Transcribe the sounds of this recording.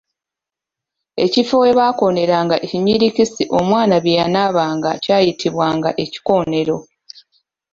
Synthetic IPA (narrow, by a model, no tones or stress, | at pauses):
e̞̰cifoweβaːko̞ne̞ɾaːŋɡaʔeciɲiɾicisiʔo̞mwaːnaβjejanaːβaːŋɡacaːjitʰiβwaːŋɡaʔe̞ci̥ko̞ːne̞ɾo̞